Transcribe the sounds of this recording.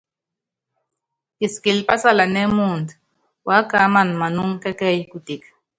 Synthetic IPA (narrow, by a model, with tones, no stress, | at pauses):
iski˨lpa˦sala˨ne˦munt̪ | wa˦kamanma˨nuŋke˦kɛ˦jkut̪ik